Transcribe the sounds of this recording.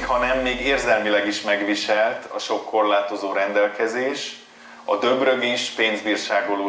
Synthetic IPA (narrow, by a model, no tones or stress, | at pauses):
hɒnɛmːeːɡeːrzɛlmilɛɡiʃmɛɡʋiʃɛlt̪ʰɒ̰ʃo̞kːo̞rlaːt̪o̞zoːɾɛnd̪ɛlkɛzeːʃ | ɒ̰d̪ø̞brøɡiʃpeːnzbiːrʃaːɡoloː